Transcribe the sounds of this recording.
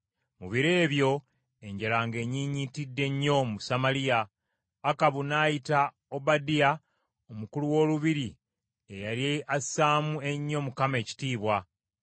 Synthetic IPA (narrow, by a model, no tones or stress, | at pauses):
muβiɾe̞ːβjo̞ | e̞ɲɟelaŋɡe̞ːɲiːɲitidːe̞ɲːo̞musamalijaː | kaβunaːjita | obadija | omukuluwo̞ːluβiɾi | ejaɾieasaːmue̞ɲːo̞mukame̞ːci̥tiːβwa